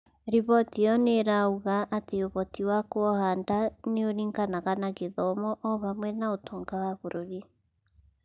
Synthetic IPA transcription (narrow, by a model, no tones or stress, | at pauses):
ɾiβɔtiɔneɾauɣaʔːteoβɔtiwakwɔhaːndaneoɾiːŋɡanaɣanaɣeðɔmɔʔɔβamwɛnaotʰoːŋɡawaβoɾoɾi